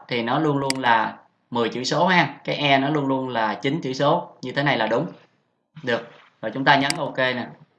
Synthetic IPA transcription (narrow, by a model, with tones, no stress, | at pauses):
t̪ʰi˨˩nɔ˨˦lu˧ənlu˧ənlaː˨˩ | mɨ˨˩əjt͡ɕɨ̰˧˩so˨˦haː˧kaː˨˦jʔɛ˧nɔ˨˦lu˧ənlu˧ənlaː˨˩t͡ɕï˨˦nt͡ɕɨ̰˧˥so˨˦ɲɨ˧t̪ʰe˨˦na˨˩jlaː˨˩ɗʊ˨˦ŋ͡m | ɗɨ˨˩ək̚ | zoː˨˩jt͡ɕʊ˨˦ŋ͡mt̪aː˧ɲə˨˦nʔo˧ke˧nɛː˨˩